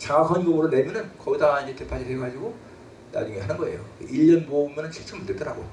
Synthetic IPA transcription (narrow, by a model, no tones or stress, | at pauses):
t͡ɕakʰʌnɡoŋɯɾonemjʌnɯnkʌɡidaid͡ʑe̞te̞pʰad͡ʑʰisʰeɡad͡ʑiɡo | na̰d͡ʑuŋeɦanɯnɡʌe̞̰jo̰iʎːʌnboumjʌnɯnt͡ɕʰit͡ɕ͈ʌmɯɭt͈et͈ʌɾaɡo